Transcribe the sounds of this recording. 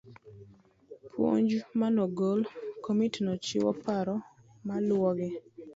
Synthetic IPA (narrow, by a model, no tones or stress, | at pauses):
pʰwo̰ɲd͡ʒmanɔɡolkomitnɔt͡ʃḭwɔ̰paɾɔ | malwɔɡɪ